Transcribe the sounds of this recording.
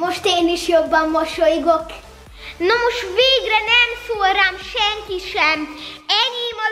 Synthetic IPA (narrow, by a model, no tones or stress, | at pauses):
moʃt̪eːniʃjobːɒmːoʃojɡok | nomoʃt̪veːɡrɛnɛmsoːɾamʃɛŋkiʃɛmɛɲimɒ